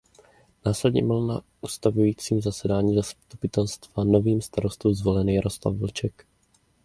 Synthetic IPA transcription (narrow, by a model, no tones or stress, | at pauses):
naːslɛdɲɛ̰ml̩na | ʔust̪avujiːt͡siːmzasɛdaːɲiːzast̪upɪt̪ɛlst̪vano̞viːmst̪aɾo̞st̪uːzvo̞lɛnjaɾo̞sla̰vvlt͡ʃɛk